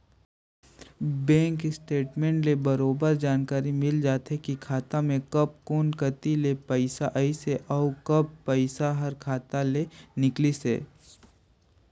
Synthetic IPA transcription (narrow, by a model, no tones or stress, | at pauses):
bɛ̃ːŋkɪsʈeːʈmẽːɳʈlebɐɾoːbəɾd͡ʒaːnkaːɾimɪld͡ʒaːt̪ɦɛkikʰaːt̪amẽkɐp̚koːnkɐt̪ilepəɪsaʔɐiseʔɔʊkɐpːəɪsaɦɐɾkʰaːt̪alenɪklisḛː